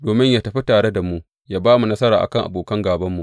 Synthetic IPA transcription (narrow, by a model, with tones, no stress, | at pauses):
doː˨mɪ˦ɲjaː˨tɐ˨ɸi˦taː˨ɽe˦da˨mu˦ʔ | jaː˦baː˦mu˨nɐ˦sɐ˦ɾaː˨ʔa̰˨kɐ˦ŋʔa̰˨boː˨kɐ˦ŋɡaː˨bɐ˦mːu˨ʔ